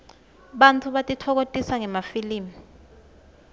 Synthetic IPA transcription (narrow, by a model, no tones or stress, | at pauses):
ɓantʰuɓatʼitʰɔk̬otʼisaŋɛmafiliːmi